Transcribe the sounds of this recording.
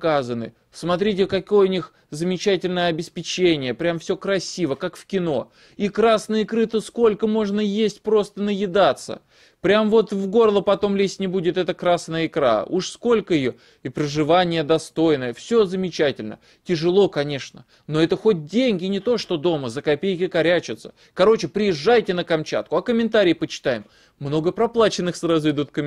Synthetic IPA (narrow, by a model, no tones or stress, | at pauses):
kazənɨ̰ | smɐt̪ɾʲitʲɪkɐkojənʲix | zəmʲɪt͡ɕætʲɪlʲnəjəɐbʲɪspʲɪt͡ɕenʲɪjəpɾʲamfsʲɵkɾɐsʲivəkakfkʲɪno̞ | ikɾasnəjɪkɾɨt̪əsko̞lʲkəmo̞ʐnəjesʲtʲpɾo̞st̪ənəjɪd̪at̪sːə̰ | pɾʲamvo̞t̪vɡo̞rlˠəpɐt̪o̞mlʲesʲnʲɪbudʲɪt̪ɛt̪əkɾasnəjəɪkɾa̰uʂsko̞lʲkəjɪjo | ɪpɾəʐɨvanʲɪjəd̪ɐst̪o̞jnəjəfsʲo̞zəmʲɪt͡ɕætʲɪlʲnə̰ | tʲɪʐɨlˠo̞kɐnʲe̞ʂnə̰ | no̞ɛt̪əxo̞t̚ʲdʲenʲɡʲɪnʲɪt̪o̞ʂt̪o̞d̪o̞məzəkɐpʲejkʲɪkɐɾʲæt͡ɕɪt̪sə̥ | kɐɾo̞t͡ɕɪpɾʲɪjɪʐːajtʲɪnəkɐmt͡ɕa̰t̪̚kʊɐkəmʲɪnt̪aɾʲɪːpət͡ɕɪ̥t̪ajɪmː | no̞ɡəpɾɐplˠat͡ɕɪnːɨxsɾazʊɪd̪ut̪kəmʲ